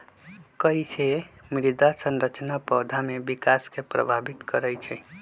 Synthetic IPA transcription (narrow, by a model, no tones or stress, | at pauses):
kəisemiɾid̪asənɾət͡ʃnapɔd̪ʱamebikaskepɾə̰bʱabit̪kəɾəjt͡ʃʰɛ